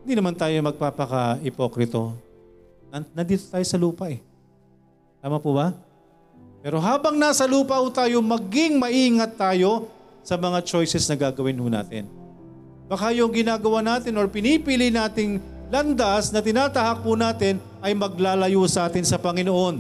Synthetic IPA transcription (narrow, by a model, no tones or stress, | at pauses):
ɪnd̪iːnɐmant̪aːjo̞mɐɡ̚paːpɐkɐʔɪpokɾɪt̪o̞̰ | ɐnɐnd̪iːt̪ot̪aːjosɐluːpɐʔɛ | t̪aːmɐpʊbɐ | pɛːɾo̞ɦaːbɐŋnaːsɐluːpɐhut̪aːjo̞mɐɡɪŋmɐʔiːŋɐt̪ːaːjo̞ | sɐmɐŋat͡ʃo̞jsɛsnɐɡaːɡɐwɪnhʊna̰ːt̪ɪ̰n | bɐkajoŋɡɪnaːɡɐwanaːt̪ɪnoɹpɪnipilɪnaːt̪ɪŋlɐnd̪asnɐt̪ɪnaːt̪ɐhak̚punaːt̪ɪn | ɐjmɐɡ̚laːlɐjusɐʔaːt̪ɪnsɐpɐŋɪnoʔo̞n